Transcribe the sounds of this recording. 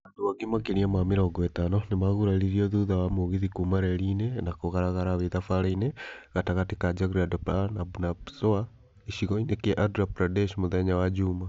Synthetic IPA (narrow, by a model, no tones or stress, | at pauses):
adowaɡimakeniamamiɾɔɡɔɛtanɔnemaɣuɾaɾiɾiɔðuðawamoɣiðikumaɾɛɾinɛnakoɣaɾaɣaɾaβeðafaɾaineɣataɣatikad͡ʒaɣɾiadɔpanabunapsoa | iʃiɣɔinekɛʔadɾapɾadɛʃmoðɛɲawad͡ʒuma